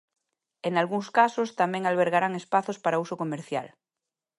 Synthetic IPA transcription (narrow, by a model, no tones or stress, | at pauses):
eŋalɣuŋskasost̪amɛ̃ŋalβ̞eɾɣaɾaŋespaθospaɾausokomeɾθja̰l